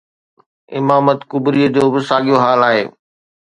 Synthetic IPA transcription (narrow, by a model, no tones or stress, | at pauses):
ɪ̰maːmət̪kʊbɾiːəd͡ʑoːbɪsaːɠijoɦaːlaːɦḛː